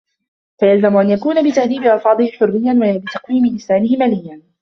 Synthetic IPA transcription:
fajalzamʊʔanjakuːnabɪt̪ahðiːbɪʔɑlfɑːðˤɨhɪħʊrːɪjːanwabɪt̪ɑqwiːmɪlɪsaːnɪhɪmaːlɪjːan

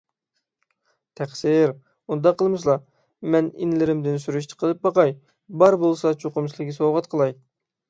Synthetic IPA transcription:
t̪ʰæχsɪɾ | und̪ɑqʰːəlˠmɨs̬lˠɑ | mɛnḭnlɪɾɪmd̪ɪnsyɾyʃ̬t̪ʰə̥qʰəlˠɨp̚bɑqɑj | bɑɾbolˠsɑt͡ʃʰoqʊmʃlˠɪkʲːsoʁɑt̪qʰəlˠɑj

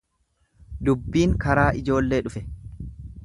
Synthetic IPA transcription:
d̪ʊbːiːŋkɐɾaːʔɪd͡ʒo̞ːlːe̞ːᶑʊfɛ

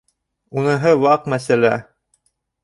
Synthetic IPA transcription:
unɤ̆ɦɤwɑqmæsælæ

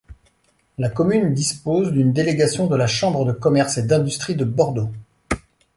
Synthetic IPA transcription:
lakɔmynd̪ispozd̪ynd̪eleɡʲasjɔ̃d̪əlaʃɑ̃bʁəd̪əkɔmɛʁsed̪ɛ̃d̪yst̪χid̪əbɔʁd̪o

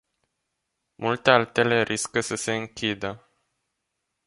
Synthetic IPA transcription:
mʔult̪e̞alt̪e̞le̞ɾʔiskəsəse̞ɨŋkʲʰid̪ə

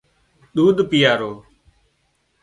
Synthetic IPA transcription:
ɗ̪uːɗ̪pɪjaːɾoː

